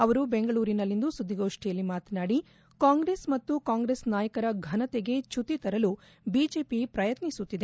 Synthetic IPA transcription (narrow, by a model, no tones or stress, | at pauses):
ɐʋɐɾubeŋɡɐɭuːɾinɐlːind̪usud̪ʱːiɡo̞ːʂʈijɐlːimaːt̪ɐnaːɽi | kaːŋɡɾeːsmɐt̪ːukaːŋɡɾeːsnaːjɐkɐɾɐɡʱɐnɐt̪eɡe̞t͡ʃʰut̪ːit̪ɐɾɐlu | bid͡ʒe̞ːpipɾɐjɐt̪nisut̪ːid̪e